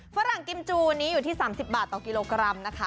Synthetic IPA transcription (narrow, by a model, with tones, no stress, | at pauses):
fa˦˥ɾa˨˩ŋki˧mt͡ɕuː˧niː˦˥juː˨˩t̪ʰiː˥˩saː˩˦msi˨˩p̚baː˨˩t̪ːɔː˨˩ki˧loː˧kɾa˧mna˦˥kʰa˦˥